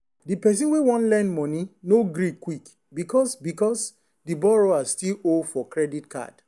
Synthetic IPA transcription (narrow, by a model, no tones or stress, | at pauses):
dipɛs̬ĩnwewɔ̃nlɛ̃nmɔ̃ninoɡɾikwik | bikɔsbikɔs | dibɔɹoastilolfɔkɹɛditkʰa̰d̥